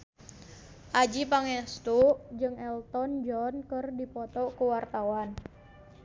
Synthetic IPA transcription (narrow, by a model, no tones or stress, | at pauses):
ʔad͡ʒipaŋɛst̪uʔd͡ʒɨŋɛlt̪ɔnd͡ʒɔnkɨrdipɔt̪ɔkuwart̪awan